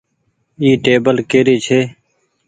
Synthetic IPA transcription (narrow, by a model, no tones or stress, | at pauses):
iːʈeːbəlkeːɾiːt͡ʃʰeː